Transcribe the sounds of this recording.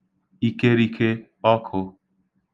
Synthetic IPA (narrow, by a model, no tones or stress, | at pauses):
iːkeːɾiːkʰe | ɔːkʰho